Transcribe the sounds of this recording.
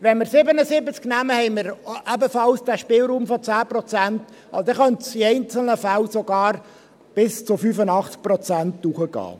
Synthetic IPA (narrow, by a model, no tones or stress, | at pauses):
ʋɛnməɾsɪbənəsɪbət͡sknæməhɛɪməɾʔæbəfɑlsd̥æːʃpɪːlɾuːmfɔt͡sæːprɔt͡sænt | ɑsod̥̪ɛχœntsiɛɪnt͡sl̩nəfælsoɡɑːɾ | b̥ɪst͡sʊfyfənɑχt͡sk̚pɾɔt͡sæntːuχəɡ̥ɑ̰ː